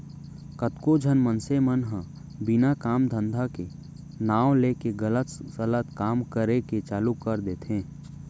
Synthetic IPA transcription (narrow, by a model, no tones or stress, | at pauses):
kət̪kod͡ʒʱənmənsemənɦə̃ | bɪnakaːmd̪ʱə̃nd̪ʱake | naːw̃leːkeɡələt̪sələt̪kaːmkəɾeket͡ʃaːlukəɾd̪eːt̪ɦẽː